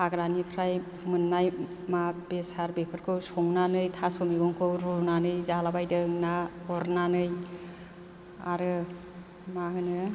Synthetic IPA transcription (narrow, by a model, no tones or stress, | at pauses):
aɡɾanipʰɾaj | mɯnːaj | mabesaɾbepʰɯɾkʰɯwsɔŋnanɯjtʰasɔmiɡɔŋkʰɯwɾunanɯjzalabajdɯŋnaɔɾnanɯj | a̰ɾɯ | maɦɯnɯ